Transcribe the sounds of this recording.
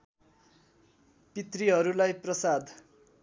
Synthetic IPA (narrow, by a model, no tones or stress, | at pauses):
pit̪riɦʌɾulajprʌsad̪ʱ